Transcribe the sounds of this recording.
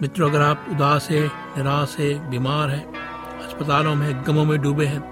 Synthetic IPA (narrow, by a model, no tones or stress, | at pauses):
mɪʈ̪ɾoːɡɾaːpʊd̪aːsɦɛ̃ | nɪɾaːsɦɛ̃biːmaːɾɦɛ̃ː | ɐspət̪aːlõmẽɡɐmõmẽɖuːbeɦɛ̃ː